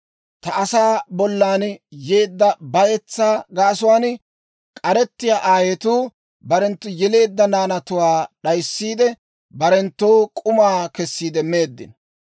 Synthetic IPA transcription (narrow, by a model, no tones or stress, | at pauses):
t̪ɐɐsaːbɔlːaːnje̞ːd̪ːɐbɐjɛt͡sːaːɡaːsʊwaːn | kʼɐɾɛt̪ːɪjaːʔaːjet̪uː | bɐɾɛnt̪ːʊjɛle̞ːd̪ːɐnaːnɐt̪ʊwaːɗɐjsːiːd̪ɛ | bɐɾɛnt̪ːowkʼʊmaːkɛsːiːd̪ɛmeːd̪ːɪ̰n